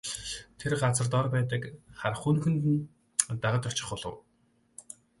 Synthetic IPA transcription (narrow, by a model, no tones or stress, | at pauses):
t̪ʰerɢat͡sə̆rt̪ɔrpæːt̪ə̆kχarχunxɘ̆nt̪ɘ̆n | t̪aʁə̆t̪ʊt͡ɕɪ̥̆χʊɮə̰̆w